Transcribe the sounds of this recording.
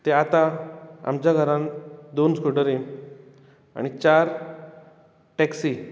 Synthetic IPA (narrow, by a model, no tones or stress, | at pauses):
t̪eat̪ãa̰mt͡ɕjaɡʱəɾãnd̪onskuɖəɾe | a̰ɽ̃it͡ɕaɾ | ʈɛksi